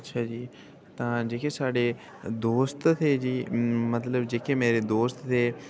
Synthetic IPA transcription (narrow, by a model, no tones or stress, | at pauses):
ətːʃʰaːd͡ʒiː | t̪ãːd͡ʒeːkʰeːsaːɖeː | d̪oːst̪t̪ʰeːd͡ʒiːmət̪ləbd͡ʒeːkʰeːmeːɾeːd̪oːst̪teː